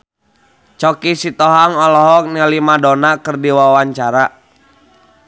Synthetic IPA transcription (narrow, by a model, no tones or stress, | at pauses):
t͡ʃɔkisit̪ɔɦaŋɔlɔɦɔk̚nalimadɔnakərdiwawaɲt͡ʃaɾa